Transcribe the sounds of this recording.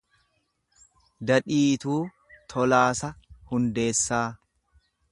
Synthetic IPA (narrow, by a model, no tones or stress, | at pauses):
d̪ɐᶑiːt̪uː | t̪ʰɔlaːsɐhʊnd̪e̞ːsːaː